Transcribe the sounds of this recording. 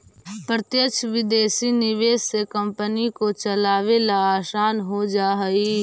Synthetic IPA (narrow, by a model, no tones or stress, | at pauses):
pɾət̪jəkʃʰʋɪd̪eːsinɪʋeːssekə̃mpənikot͡ʃəlaːʋelaaːsaːnɦod͡ʒaːɦi